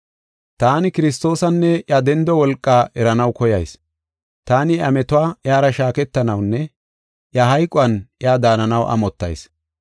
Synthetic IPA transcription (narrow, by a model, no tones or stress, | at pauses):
t̪aːnɪkɪɾɪs̬t̪o̞ːsɐnːɛʔjad̪ɛnd̪ɔwɔlkʼːaːʔɛɾɐnɐwkɔjɐjs | t̪aːnɪɐmɛt̪ʊaːʔjaːɾɐʃaːkɛt̪ːɐnɐwnːɛ | ʔjaɦɐjkʼʊɐnʔɪaːd̪aːnɐnɐwʔɐ̰mɔt̪ːɐ̰js